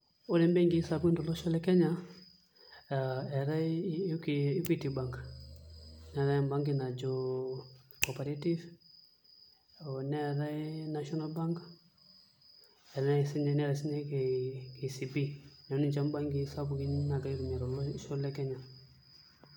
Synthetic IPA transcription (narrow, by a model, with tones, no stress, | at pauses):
ɔ˦lɛ˨˦mbɛ˦ŋɡi˦sa˨bu˦i˦ndɔ˨lɔ˦ʃɔ˦lɛ˦kɛ˦ɲa˦ | ɛ˨ɾa˦kii˦pi˦ti˨ba˨ŋk | nɛ˨ɾa˦jmba˦ŋɡi˦na˨d͡ʒɔ | kɔ˨pa˨ɾa˦ti˦v | ɔnɛ˦ɾa˦na˦ʃɔ˦na˦lba˦ŋk | ɛ˨ɾna˦si˦ɲɛnɛ˦ɾa˨si˦nɛ˦kɛ˨ki˨si˨bi˦n˨˦ni˦nt͡ʃa˦mba˦ŋɡi˦sa˦bu˨ki˦na˨ɡa˨i˦ɾmɛ˨ɾɔ˨lɔʃɔ˦lɛ˦kɛ˦ɲa˨